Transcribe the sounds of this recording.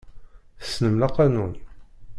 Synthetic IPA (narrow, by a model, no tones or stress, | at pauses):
θə̥snəmlaqːɑnun